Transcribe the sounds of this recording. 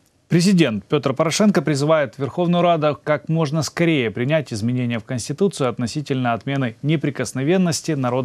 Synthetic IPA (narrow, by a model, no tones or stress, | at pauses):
pɾʲɪzʲɪdʲe̞nt̪̚pʲo̞t̪rpəɾɐʂɛnkəpɾʲɪzɨvajɪt̪vʲɪrxo̞vnəjʊɾad̪ʊkakmo̞ʐnəskɐɾʲejəpɾʲɪnʲætʲɪzmʲɪnʲenʲɪjəfkənʲsʲtʲɪt̪ut̪sɨʊɐt̪nɐsʲitʲɪlʲnəɐt̪mʲe̞nɨnʲɪpɾʲɪkəsnɐvʲe̞nːəsʲtʲɪnɐɾo̞d̪